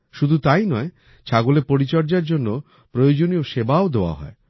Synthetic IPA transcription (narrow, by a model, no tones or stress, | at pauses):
ʃud̪ʱut̪ajnɔe | t͡ɕʰaɡolepoɾit͡ɕɔɾd͡ʑaɾd͡ʑonːo | pɾojod͡ʑonioʃebaod̪eoa̰ɦɔ̰e